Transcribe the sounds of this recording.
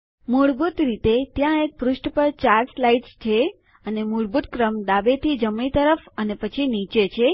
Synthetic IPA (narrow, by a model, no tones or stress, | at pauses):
muɭbut̪ɾit̪et̪jãek̚pɾuʃʈpəɾt͡ʃaɾslaiʈst͡ʃʰe | ənemuɭbut̪kɾəmd̪aʋet̪ʰid͡ʒəmɳ̃it̪əɾəfənepət͡ʃʰinit͡ʃet͡ʃʰe